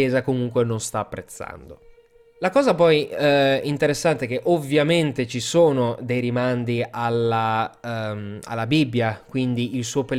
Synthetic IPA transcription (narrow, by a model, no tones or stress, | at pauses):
ɛːzakomuŋkwenonst̪aːpːɾet̪sːa̰nd̪o̰ | lakɔːzapɔjint̪eɾesːant̪eɛk̟eʔovːjament̪et͡ʃisoːnod̪ejɾimand̪ialːa | ma̰lːabibːjakwind̪iʔilsuːopel